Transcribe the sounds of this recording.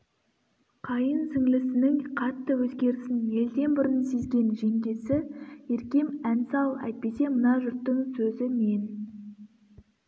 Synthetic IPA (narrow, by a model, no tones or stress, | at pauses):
qʰɑjənsɪŋlɪsɪnɪŋqʰɑt̪ːəwɵzɡʲe̞ɾɪsɪnje̞ld̪e̞nbʊɾənse̞zɡʲe̞nʒe̞ŋɡʲe̞sɪje̞ɾkʲe̞mænsɑlˠɑ̰jt̪̚pe̞se̞mənɑʒʏɾt̪ːəŋsɵzɪmen